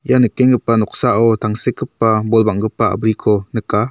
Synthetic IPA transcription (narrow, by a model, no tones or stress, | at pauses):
ijanɯkːɛŋɡəpːanɔk̚saʔɔt̪aŋsekəpːabɔlbaŋɡɯpːaa̰bɾikʰɔnɯka